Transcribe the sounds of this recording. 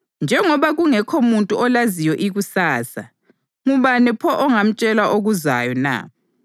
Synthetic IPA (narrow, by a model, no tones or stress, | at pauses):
nd͡ʒʱɛŋɔβaɣuŋɛkʰomuntʼuɔlazijɔʔiɣusaːsa̰ | ŋuβanɛpʰɔʔɔŋam̩t͡ʃʼɛlaʔoɣuza̰jɔna̰